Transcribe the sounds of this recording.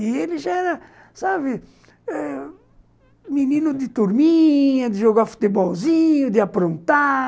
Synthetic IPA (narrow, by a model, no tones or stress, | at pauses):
ieliʒaɛɾɐ | saβɪ | ɛ | minĩnud̪ɪt̪uɾmiɲɐd̪ɪʒoɣafu̥t̪ebɔlzĩɲʊd̪ɪapɾõnt̪a